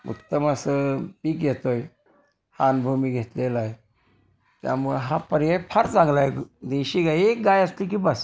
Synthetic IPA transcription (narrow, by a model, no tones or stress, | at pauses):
ṵkt̪əməsəpiːkɡʱet̪oj | hanbʱumiɡʱet̪lelaj | t̪ja̰muɭeɦapəɾjpʰəɾt͡sãŋɡlajɡd̪eɕiɡajek̚ɡajəslik̬ibəs